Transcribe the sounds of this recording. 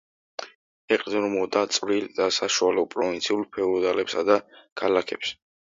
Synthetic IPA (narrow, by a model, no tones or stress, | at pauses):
ɛqʼd̪ɾmɔd̪at̪sʼvɾild̪asaʃualɔpʼɾɔvĩnt̪sʰiulˠpʰɛuɔd̪alɛpsad̪akʰalakʰɛps